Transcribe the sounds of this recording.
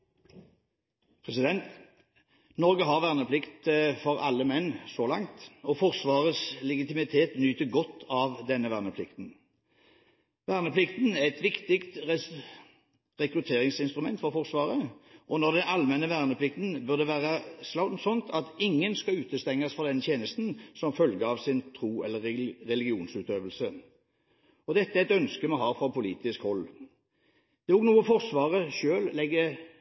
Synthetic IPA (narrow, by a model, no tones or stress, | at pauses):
pʰʁɛsɪd̪ɛnt̪ | nɔʁɡəɦɑʁʋæːʁnəpʰlɪkt̪fɔɾɑ̰lːəmɛnːsɔlɑŋt̪ɔfɔʁsʋɑːʁəslɛɡɪt̪ɪmɪt̪ʰeːt̪nyːt̪əɡɔt̪ʰːɑʋd̪ɛnːəʋæːnəpʰlɪkt̪n | ʋæːʁnəpʰlɪkt̪næʁɛt̪ʋɪkt̪ɪkt̪ɛ | ʁɛkɾʉt̪ʰeːʁɪŋsɪnst̪ɾʊmɛ̰nt̪fɔʁfɔʁsʋɑːʁəɔnɔʁd̪ɛnʔɑlmɛnːəʋæːʁnəpʰlɪk̚t̪n̩bœʁd̪ɛʋæːʁəslɑʊsɔnt̪ʰɑt̪ɪŋːənskɑʉːt̪əst̪ɛŋːɑsfɔʁd̪ɛnt̪jeːnəst̪n̩sɔmfœlɡəɑʋsɪnt̪ʰʁuːɛ̰lːəʁʁɛlɪɡɪuːnsʉːt̪øːʋəlsə | ɔd̪ɛt̪ːəæɛɛt̪œnskəmɔɦɑːfɔʁpʰʊliːt̪ɪskhɔlː | d̪̥ɛɛɔknuːəfɔʁsʋɑːʁəʃøːllɛɡːə